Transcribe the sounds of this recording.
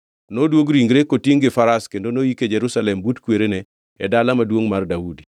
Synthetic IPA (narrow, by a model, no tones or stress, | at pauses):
nodwoɡɾiŋɡɾekotiŋɡɪfaɾaskendonojiked͡ʒeɾusalɛmbutkweɾenɛ | ɛdalamadwoŋmardaudi